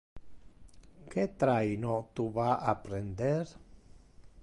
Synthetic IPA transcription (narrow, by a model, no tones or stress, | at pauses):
ket̪ɾajnot̪uβaʔapɾend̪eɾ